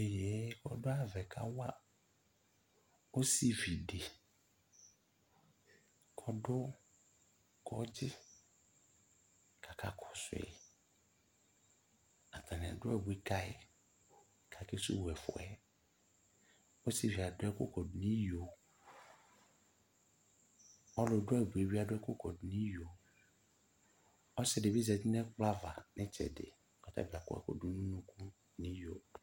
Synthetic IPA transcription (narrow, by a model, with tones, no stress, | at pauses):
e˨je˨˦kɔ̰˨ɖo˦a˨vɛ˨kʰa̰˦wa˦ | o˦si˦vi˨ɖe˨ | kʰɔ˦ɖo˦ | kɔ̰˦d͡ʑi˦ | kʰa˨ka˦kʰɔ˨sʊ˨ɛ̰˨ | a˨t̪a˨n˨ɛ̰̃˨ɖo˦ɛ˦˨bwi˦ka˦e˦˨ | kʰa˨kɪ˦sʊ̰˦wɛ˨fʊ̰˨ɛ˦ | o˦si˦vi˨a˨dʊ˨˦ɛ˦kʊ̰˦kʰɔ˨dnĩ˦jo˨ | ɔ˦lʊ˨dʊ˦ɛ˨bu˨e˨wi˦a˨dʊ˦ɛ˦kʊ˦kʰɔ˨dnĩ˦jo˨ | ɔ˦sɛ˦˨dɪ˨bi˦zɛ˨dɪ˦nɛ̃˦k͡pa˦va˨nɪ̃˦t͡ʃʰɛ̰˨dɪ̰˨kɔ˨tʰa̰˦˨bi˨a˨kʊ̰˦ɛ̰˨kɔ̰˦˨du˦nũ˦nũ˦kʰu˦ | nĩ˦jo˨